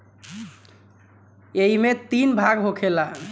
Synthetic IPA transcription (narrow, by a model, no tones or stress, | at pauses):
eɦimet̪inbʱaɡɦokʰela